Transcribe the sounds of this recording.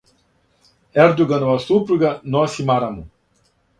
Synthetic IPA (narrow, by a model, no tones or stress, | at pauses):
ɛɾd̪uɡɐnɔɐsupɾuɡɐnɔsimaɾamu